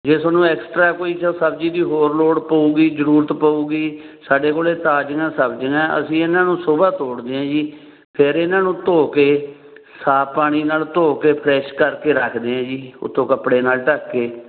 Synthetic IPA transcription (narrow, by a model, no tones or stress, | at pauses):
d͡ʒeːsəːnũːɛːksʈɾaːkoːiːsaːsəbd͡ʒiːd̪iːɦoːɾloːɽpəuːɡiːzəɾuːɾət̪pəuːɡiː | saːɖeːkoːleːt̪aːd͡ʒəŋãːsəbd͡ʒəŋɛ̃ːə̰sĩːɪnãːnũːsʊbaːt̪oːɽd̪eːãːd͡ʒiː | pʰɪɾɪnãːnũːt̪oːkeː | saːpaːɽ̃iːnaːlt̪oːkeːpʰɾɛːʃkəɾkeːɾəkʰd̪eːãːd͡ʒiːʊ̰t̪ʰːõːkəpɽeːnaːlʈəkːeː